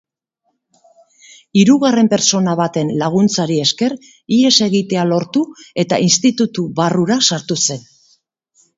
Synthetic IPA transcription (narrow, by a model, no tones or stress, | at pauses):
iɾuɣare̞mpe̞ɾt͡so̞naβat̪e̞nlaɣ̞unt͡saɾie̞ske̞r | ie̞se̞ɣit̪e̞alo̞ɾt̪ue̞t̪a̰ʔinst̪it̪ut̪uβaruɾasaɾt̪use̞n